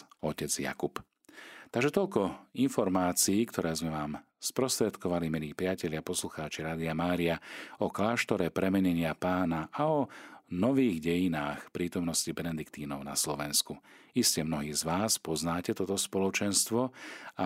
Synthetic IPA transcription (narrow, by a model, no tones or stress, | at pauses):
ɔcɛd͡zja̰kup | t̪aɡʒɛt̪ɔlkɔinfɔɾmaːt͡siiːkt̪ʰɔɾɛːzmɛʋaːm | spɾɔst̪ɾɛt̪kɔʋalimiliːpɾɪacɛʎɪapɔsluxaːt͡ʃiɾaːd̪iamaːɾiaɔklaːʃt̪ɔɾɛpɾɛmɛɲɛɲɪapaːnaʔaɔnɔʋiːɣɟɛjinaːxpɾiːt̪ɔmnɔscibɛnɛd̪ikt̪iːnɔʊna̰slɔʋɛnskuiscɛmnɔɦiːzʋaːspɔznaːcɛt̪ɔt̪ɔspɔlɔt͡ʃɛnst̪ʋɔa